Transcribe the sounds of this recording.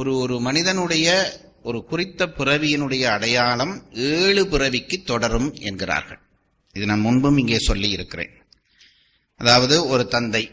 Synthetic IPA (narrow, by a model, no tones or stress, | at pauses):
ɔɾɯɔɾɯmɐnɪðɐnɯɽɐjɐ | ʔɔɾɯkʊrɪt̪ːɐpɪrɐʋɪjɪnɯɽɐjɐːɽɐjaːlɐmeːɭɯpɪrɐʋɪkːɯt̪ːɔɽɐɾɯmɛ̰nɡɪra̰ːɾɣɐ̰ɭ | ɪðɯnamːɐʊɳbɯmɪŋɡeːsɔlːijɪɾɯkːɪrḛːn | ɐðaːʋɐðɯɔɾɯt̪ɐnd̪ɐɪ